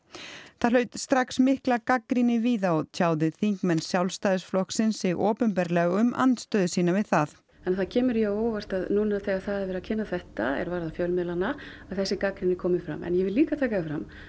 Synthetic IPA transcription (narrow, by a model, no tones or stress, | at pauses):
θaðlœːɥt̪st̪ɾaksmɪhklakakɾinɪviːðaɔðc̪ʰaːwðɪθiŋkmɛnːsjawlst̪aːjðɪsflɔhksɪnsːɪɣɔːpʏnpɛɾlɛːɣʏmʔa̰nt̪st̪œːðʏsiːnavɪðθaθ | ɛnθacʰɛːmʏɾjɛoɣvar̥t̪aðnuːnaθɛaθaðvɛɾacʰɪnːaθɛht̪aɛ̰ɾvaːɾðafjœlmɛlanaaðθɛsːɪkakɾinɪkʰɔːmɪfɾa̰mɛ̰njɛvɪliːkat̪ʰaːkaɪfɾam